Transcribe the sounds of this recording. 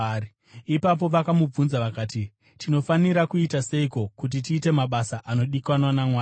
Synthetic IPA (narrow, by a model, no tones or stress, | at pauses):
ipap̬o̞ʋakamub͡vunzaʋakaːti | tino̞faniɾakuitase̞iko̞kut̬itiːte̞maɓasaʔano̞ɗikwanwanamwaː